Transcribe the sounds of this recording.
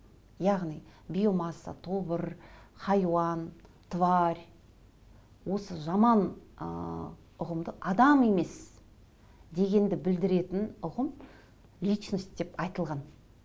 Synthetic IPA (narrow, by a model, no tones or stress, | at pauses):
jɑʁnijbʲijomɑsːa̰t̪ʰo̞bəɾχɑjwɑn | t̪ʰvaɾʲ | wo̞səʒɑmɑnə | ʊʁəmd̪əʔɑd̪ɑme̞me̞s | d̪e̞ɡʲe̞nd̪ɪbɪld̪ɪɾe̞t̪ɪnʊʁəm | lʲit͡ʃnəsd̪e̞pɑjt̪əlˠʁɑn